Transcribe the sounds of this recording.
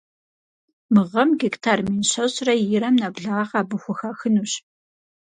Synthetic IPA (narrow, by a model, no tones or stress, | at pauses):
mɨʁɐmɡiktʰaːrmiːnɕɐɕrɐjɪɾɐmnɐbɮaqɑːbɨxʷʊxɐxɨnuɕ